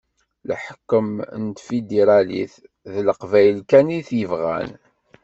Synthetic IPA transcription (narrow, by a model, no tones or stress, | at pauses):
lħə̥kːəmənt̪fid̪eɾɑlḭθ | ðləqvæjlkæniθjəvʁæ̰n